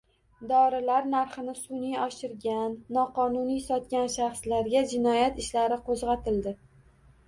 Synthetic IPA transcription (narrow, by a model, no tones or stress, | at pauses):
d̪ɒɾɪlaɾnaɾχɪnɪsʊnijɒʃɪɾɡʲanːɒqɒnʊnijsɒt̪̚kʲanʃaχslaɾɡʲad͡ʒɪnɒjat̪ɪʃlaɾɪqʰozʁɑt̪ʰɪld̪ɪ